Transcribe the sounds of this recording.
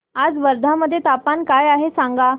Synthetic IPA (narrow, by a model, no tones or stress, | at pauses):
ad͡zʋəɾd̪ʱaməd̪ʱːjet̪apankajaɦesaŋɡa